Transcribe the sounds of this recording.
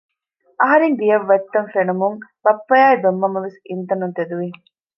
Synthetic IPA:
ʔɐɦɐɾeŋɡ̪ijɐʋːɐt̪ːɐnfenumuŋb̥ɐpːɐjaːjbemːɐmɐʋesint̪ɐnunt̪ed̪uʋi

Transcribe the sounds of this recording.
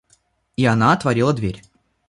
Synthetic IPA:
iɐnaɐt̪vɐɾʲilˠəd̪vʲeɾʲ

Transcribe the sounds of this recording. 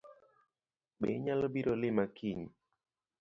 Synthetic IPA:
ɓḛɲalobiɾolɪmakʰiɲ

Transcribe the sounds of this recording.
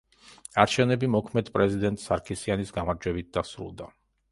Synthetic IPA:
aɾt͡ʃʰɛvnɛbimɔkʰmɛd̪pʼɾɛzid̪ɛnt̪ʼsaɾkʰisianisɡamaɾd͡ʒwɛbit̪̚d̪asɾṵlˠd̪a

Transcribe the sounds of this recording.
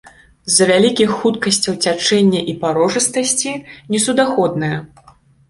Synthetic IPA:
zːɐvʲalʲikʲixːut̪kɐsʲt͡sʲɐwt͡sʲat͡ʂɛnʲːɐʔipaɾɔʐɨst̪ɐsʲt͡sʲinʲɛsud̪axɔd̪nɐjɐ

